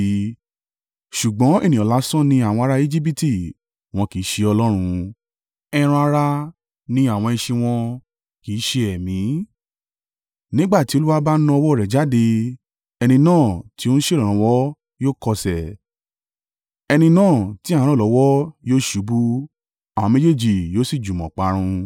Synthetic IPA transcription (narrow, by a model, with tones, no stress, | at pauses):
ʃu˨ɡ͡bɔ̃˨˦ḛ˦˨nĩ˨ɔ̃˨la˨˦sɔ̃˦˨nĩ˧a˨w̃ɔ̃˧a˧ɾa˧e˦d͡ʒi˦p̬i˦ti˨ | w̃ɔ̃˧ki˨˦ʃe˧ɔ˧lɔ˦ɾ̃ũ˧ | ɛ˧ɾ̃ũ˧a˧ɾa˧ | nĩ˧a˦˨w̃ɔ̃˧ɛ̃˧ʃĩ˧w̃ɔ̃˧ | ki˨˦ʃe˧ɛ˨mĩ˨˦ | nĩ˦ɡ͡ba˦˨ti˨˦o˧˦lu˦wa˦ba˦nã˧ɔ˧wɔ˦˨ɾɛ˨d͡ʒa˨˦de˧ | ɛ˧nĩ˧nãː˦˨ti˨˦õ˦ñ̩˦ʃe˦˨lɔ̃˨ɾ̃ã˨˦wɔ˦ | joː˦kɔ˧sɛ˨ | ɛ˧nĩ˧nãː˦˨ti˨˦˨ã˨˦ɾ̃ɔ̃˦˨lɔ˨˦wɔ˦joː˦ʃu˨˦bu˦ | a˨w̃ɔ̃˧me˦d͡ʒe˦˨d͡ʒi˨jo˦si˦˨d͡ʒu˨mɔ̃˨k͡pa˨˦ɾ̃ũ˧